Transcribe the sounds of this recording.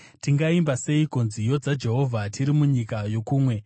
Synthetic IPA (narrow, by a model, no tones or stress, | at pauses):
tiŋɡaimbase̞ikonzijo̞d͡zad͡ʒe̞ɦo̞vʱatiɾimuɲikajo̞kuːmwe̞